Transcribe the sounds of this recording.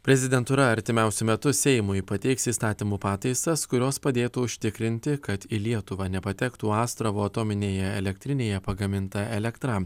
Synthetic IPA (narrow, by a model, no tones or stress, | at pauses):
pʲɾʲɛzʲɪd̪ʲɛnt̪uːɾɐɐɾʲt̪ʲɪmʲɛˑʊsʲʊmʲɛt̪ʊsʲɛɪmʊjpɐt̪ʲɛɪksiːst̪ɑːt̪ʲiːmuːpɑːt̪ɐɪsɐskʊɾʲoːspɐd̪ʲeːt̪uʊʃʲt̪ʲɪkɾʲɪnʲt̪ʲɪkɐt̪ilʲiɛt̪ʊʋɑnʲɛpɐt̪ʲɛkt̪uːɑːst̪ɾɐʋoːɐt̪oːmʲɪnʲeːjɛɛlʲɛk̚ʲt̪ʲɾʲɪnʲeːjɛpɐɡɐmʲɪnt̪ɐɛlʲɛkt̪ɾɑ